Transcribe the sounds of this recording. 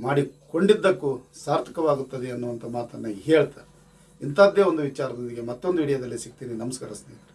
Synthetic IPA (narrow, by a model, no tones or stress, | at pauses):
maːɽiko̞ɳɖid̪ːɐkːusaːɾt̪ʰɐ̥kɐʋaːɡut̪ːɐd̪eɐnːuʋɐnt̪ʰɐmaːt̪ɐnːɐɦeːɭt̪aɾe | int̪aːd̪eond̪uʋit͡ʃaːɾɐd̪ond̪iɡe̞mɐt̪ːond̪uiɽɐjɐd̪ɐlːisik̚t̪iːninɐmɐskɐɾɐsd̪eːkɾe